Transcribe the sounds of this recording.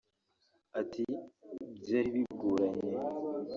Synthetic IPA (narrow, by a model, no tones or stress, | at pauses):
atʰibɟaːɾiβiɡuːɾaɲe